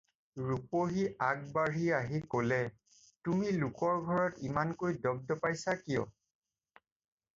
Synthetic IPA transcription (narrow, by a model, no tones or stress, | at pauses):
ɹupoɦiaɡ̚baɹiaɦikolɛ | tumilʊkɔɹɡʱɔɹɔtimankojdɔb̚dɔpajsakijɔ̰